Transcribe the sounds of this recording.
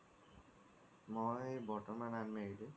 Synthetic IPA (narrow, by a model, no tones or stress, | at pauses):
moejbɔʈɔmananmede